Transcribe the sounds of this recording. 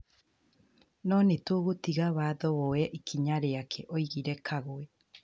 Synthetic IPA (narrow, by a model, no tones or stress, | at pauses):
nɔnetoːɣotiɣaβaːðɔβɔɛʔikʰiɲaɾeakʰɛʔoiɣiɾɛkʰaɣoɛ